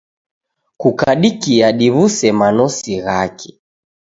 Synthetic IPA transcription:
kukaɗikiaɗiβusɛmanɔsiɣakʰi̥

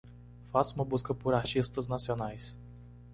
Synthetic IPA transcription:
fasməbuskəpuɾaʃist̪əznasʲjɔnajs

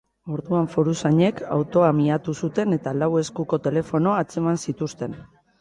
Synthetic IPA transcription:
o̞ɾðuaɱfoɾusaɲe̞ka̰wt̪o̞amiat̪usut̪e̞ne̞t̪alawe̞skuko̞t̪e̞le̞fo̞no̞at͡se̞mansit̪ust̪e̞n

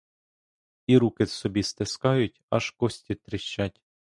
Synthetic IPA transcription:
iɾukɪsɔbʲist̪ɪskɑjʊtʲɐ̰ʃkɔsʲt̪ʲit̪ɾɪʃt͡ʃːatʲ

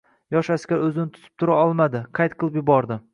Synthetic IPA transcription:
jɒʃaskʲaɾɵzɪnɪt̪ʰʊ̥t̪ʰɪ̥p̚t̪ʰʊɾaɒlˠmad̪ɪqʰɑjt̪̚qʰɨlˠɪpjʊbɒɾd̪ɪ

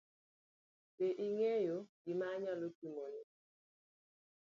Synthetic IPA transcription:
peʔiŋɛjoɡimaɲalokimonɛ

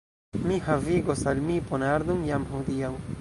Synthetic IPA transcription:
mihaviɡosalmiponaɾd̪umjamɦud̪ijaw

